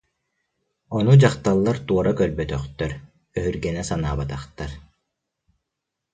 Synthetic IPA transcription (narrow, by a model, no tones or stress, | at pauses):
ɔnud͡ʑaχt̪alˠːaɾt̪uɔɾakœɾbœt̪œχt̪œɾ | œɦyɾɡɛnɛsanaːbat̪aχt̪aɾ